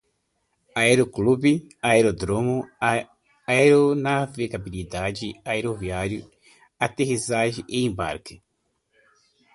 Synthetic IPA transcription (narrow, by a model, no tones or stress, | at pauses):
aeɾoklubɪ | aeɾod̪ɾõmʊ | eɾonaveɡabilid̪ad͡ʒɪaeɾoviaɾjʊ | at̪eɦizaʒɪʔeẽmba̰ɾkɪ̥